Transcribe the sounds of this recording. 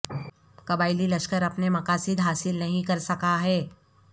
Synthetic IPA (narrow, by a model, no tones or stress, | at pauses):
kɐbaːɪlilɐʃkəɾɐpnemɐkaːsɪd̪ɦaːsɪlnɐɦĩkɐɾsɐkaɦɛː